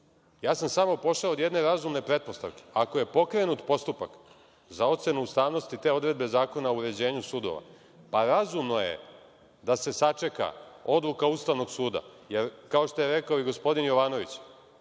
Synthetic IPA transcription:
jaːsamsamopo̞ʃaod̪jed̪ne̞ɾazumne̞pɾe̞t̪̚po̞st̪a̰ʋke̥ako̞je̞po̞kɾe̞nut̪po̞st̪upak | zao̞t̪se̞nuust̪aːʋno̞st̪it̪e̞o̞d̪ɾe̞d̪be̞zaːko̞naouɾe̞d͡ʑe̞ːɲusuːd̪o̞̰ʋa̰ | paɾazumno̞jḛ | d̪ase̞sat͡ʂe̞ka̰o̞d̪lˠukaust̪aʋno̞ɡsuːd̪a̰ | jeɾkao̞ʃt̪ojeɾekaoiɡo̞spo̞d̪injo̞ʋaːno̞ʋit͡ɕ

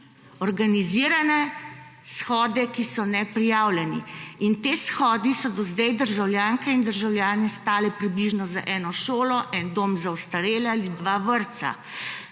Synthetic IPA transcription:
ɔɾɡaniziːɾanɛ | sxɔːd̪ɛkisɔnɛpɾijaːwljɛnḭint̪eːsxɔːd̪isɔd̪ɔzd̪ɛjd̪əɾʒawljaːŋkɛind̪əɾʒawljaːnɛst̪aːlɛpɾibliʒnɔza̰ʔɛːnɔʃoːlɔʔɛnd̪oːmzawst̪aɾeːlalid̪ʋaːʋəɾt̪sa̰

